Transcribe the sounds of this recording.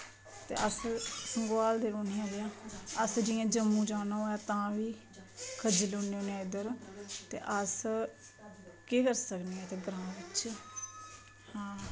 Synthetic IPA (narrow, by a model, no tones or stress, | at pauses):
t̪ḛːʔəssəŋɡwaːld̪eːɾoːniːãːljãːəsd͡ʒɪjãːd͡ʒəmːũːd͡ʒaːnãːɛːt̪ãːʋiː | kʰəd͡ʒlʊneːoːnẽːɪd̪əɾt̪ḛːʔəs | keːkəɾsəkneːɛːt̪eːɡəɾãːʋɪt͡ʃ | hãː